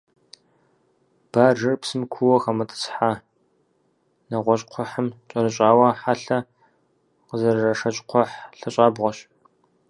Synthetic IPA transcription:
b̥aːʒɐrpsɨmkʷʰuwɐxɐmɐtʼɨ̥t͡sħaː | nɐʁʷɔɕʼqʷʰɔħəmt͡ʃʼɐɾɨɕʼaːwɐħaɬɐ | qəzɐrrɐʂɐt͡ʃʼqʷʰɔħɬɐɕʼaːbʁʷɔɕ

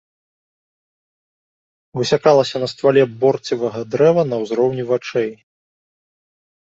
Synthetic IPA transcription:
vɨsʲakalˠɐsʲɐnɐst̪valʲɛbɔrt͡sʲivɐɣɐd̪ɾɛvɐnɐwzɾɔwnʲivat͡ʂɛj

